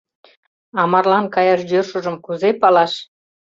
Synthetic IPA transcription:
ɑmɑrlɑnkɑjɑʃjørʃuʒə̆mkuzepɑlɑʃ

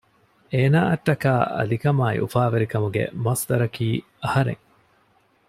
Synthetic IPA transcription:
eːnaːʔɐʈːɐkaːʔɐ̰likɐmaːḭʔufaːʋeɾikɐmuɡḛmɐsd̪ɐɾɐkiː | ɐhɐɾḛŋ

